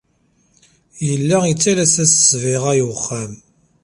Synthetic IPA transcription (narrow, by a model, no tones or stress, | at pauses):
jəlːæit͡sːælæsæsə̥svɪʁæjuχːam